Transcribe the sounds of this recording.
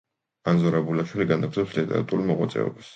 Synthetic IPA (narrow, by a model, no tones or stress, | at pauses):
anzɔɾabulaʃwiliɡanakʰt̪ʰɛpslit̪ʼɛ̰ɾa̰t̪ʼuɾlimɔɣwa̰t̪sʼɛ̰ɔ̰bas